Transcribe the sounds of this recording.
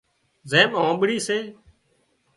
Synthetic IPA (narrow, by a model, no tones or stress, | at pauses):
zẽːmõːɓɽiːseː